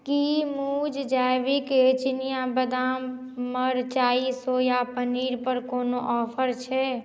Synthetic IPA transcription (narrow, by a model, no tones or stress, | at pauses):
kimud͡ʒd͡ʒajbiket͡ʃinijabəd̪amː | əɾt͡ʃaːisojapəniɾpəɾkonoʔɔpʰəɾt͡ʃʰɛ